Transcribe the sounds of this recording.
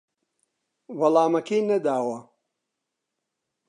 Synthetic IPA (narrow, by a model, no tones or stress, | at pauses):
vɐlaːmɐkeːnɐd̪aːwɐ